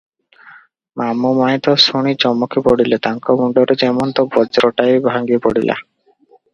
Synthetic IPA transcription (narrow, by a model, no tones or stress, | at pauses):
mamumait̪ɔsoɽ̃it͡ʃɔmɔkʰepɔɽilet̪aŋkɔɡuɳɖɔɾed͡ʒɛmɔnt̪ɔbɔd͡ʒɾɔʈajbʱaŋɡipɔɽilʔa̰